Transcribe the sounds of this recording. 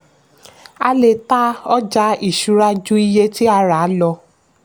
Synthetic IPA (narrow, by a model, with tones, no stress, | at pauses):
a̰˦le˧˨ta˦ɔ˦d͡ʒa˦i˦˨ʃu˨˦ɾa˧˦d͡ʒu˦i˧˦je˦ti˦a˧ɾa˨˦lɔ˧